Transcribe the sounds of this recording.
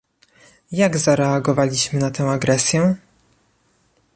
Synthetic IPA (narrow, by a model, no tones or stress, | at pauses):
jaɡzaɾɛaɡɔvalʲiɕmɘnat̪ɛ̃w̃aɡɾɛsʲjɛ